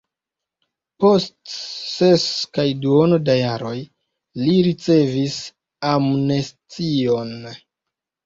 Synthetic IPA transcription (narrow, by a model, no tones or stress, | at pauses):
po̞stseskajduonodajaɾo̞j | liɾit͡se̞vis | amnestio̞n